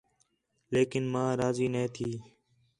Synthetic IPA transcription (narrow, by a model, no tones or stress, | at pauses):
leːkɪnmãːɾaːziːnẽːt̪ʰiː